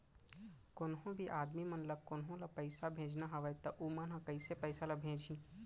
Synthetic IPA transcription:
kʊnɦõbʱiʔaːd̪mimənlɐkʊnɦõlɐpəɪsabʱẽːd͡ʒnaɦɐʋəjt̪ɐʔumɐnɦãkɐɪsepəɪsalɐbʱẽːd͡ʒĩ

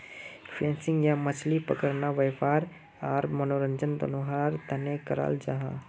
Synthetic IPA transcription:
pʰẽːnsɪ̃ŋɡjamət͡ʃʰlipəkəɾnaʋəjfaːɾ | aːɾmənoːɾə̃ɲd͡ʒənd̪ɐ̰noɦaːɾt̪ɐnekəɾa̰ːld͡ʒaɦã̰ː

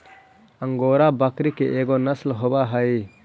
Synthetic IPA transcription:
ɐŋɡoːɾabɐkɾikeʔeɡonɐslɦobaɦɐj

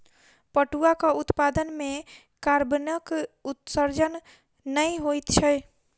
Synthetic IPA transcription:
pəʈuakəut̪pad̪ənme | kaɾbənəkut̪səɾd͡ʒən | nəjɦojt̪t͡ʃʰɛj

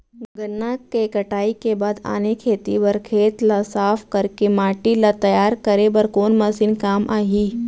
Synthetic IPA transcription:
ɡɐnːakekɐʈaːikebaːd̪a̰ːnekʰeːt̪ibɐɾkʰeːt̪lasaːpʰkɐɾkemaːʈilat̪ɐjaːɾkɐɾebɐɾkoːnmɐsiːnkaːmʔaːɦiː

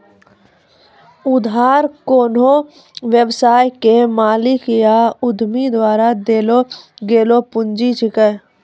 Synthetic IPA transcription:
ʊd̪ɦaːɾkoːno | ʋjəwsaːjkemaːlɪkjaʊd̪ʱmid̪waːɾad̪eːloɡeːlopʊnd͡ʒit͡ʃʰɪkə

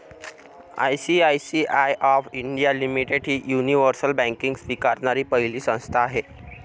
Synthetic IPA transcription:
a̰jsiajsiʔajʔɔfiɳɖijalimiʈeɽɦiːjuniʋəɾsəlbæ̃ŋkiŋɡsʋikaɾnaɾiːpəɦiliːsə̃w̃st̪ʰaːɦe

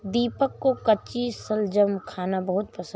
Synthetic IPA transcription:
d̪iːpəkːokɐt͡ʃisəld͡ʒəmkʰaːnabəɦʊt̪̚pəsə̃

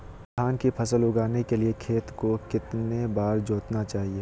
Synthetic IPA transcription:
st̪ʰaːnkipʰɐsəlʊɡaːnekeliekʰeːt̪kokɪt̪nebaːɾd͡ʒoːt̪nat͡ʃaːɦieː

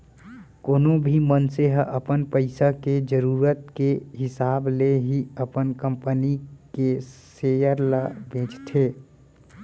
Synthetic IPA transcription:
koːnõbʱimənseɦəʔəpənpəɪsaked͡ʒəɾuːɾət̪̚keɦɪsaːbleɦiəpənkə̃mpənikesejəɾləbʱẽːt͡ʃt̪ʰeː

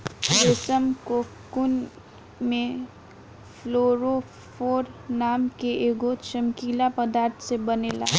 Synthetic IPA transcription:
besəmko | kʊn | mẽ | pʰloɾo | pʰoːɾnaːmkeeːɡot͡ʃəmkilapəd̪aːɾt̪ʰsebənela̰

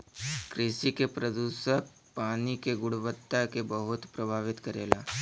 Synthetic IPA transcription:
kɾɪsikepɾɐd̪uːʃək̚ | paːnikeɡʊɽʋət̪ːakebəɦʊt̪pɾɐbʱaːʋɪt̪kɐɾḛːlaː

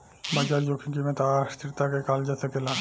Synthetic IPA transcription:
bad͡ʑaɾd͡ʑokʰinkimet̪aaʃt̪ʰiɾt̪akekald͡ʑat̪ʰekelan

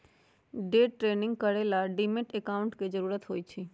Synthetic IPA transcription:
ɖeʈɾenɪŋɡ̚kəɾelaɖimeʈɛkaʊɳʈked͡ʒəɾuɾət̪ɦoːjt͡ʃʰe

